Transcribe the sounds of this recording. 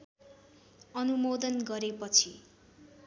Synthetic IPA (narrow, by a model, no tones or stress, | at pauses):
ʌnumod̪ʌnɡʌɾepʌt͡sʰi